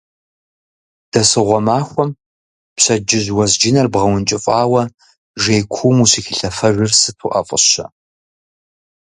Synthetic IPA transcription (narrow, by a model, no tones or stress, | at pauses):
d̥ɐsɨʁʷɔmaːxʷɔm | pɕɐd͡ʒɪʑwɐzd͡ʒɪnɐrbʁɐwʊnt͡ʃʼɪfʼɑːwɐ | ʒeːjkʷʰuːmuɕixɪɬɐfɐʒʷʊrsɨtʰṵʔɐ̰fʼə̰ɕɐ̰